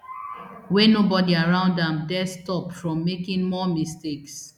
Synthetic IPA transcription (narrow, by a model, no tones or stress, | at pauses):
wɛnobɔdiaɹãʊ̃ndãmdɛstɔpfɹɔ̃mːekɪ̃nmɔmisteks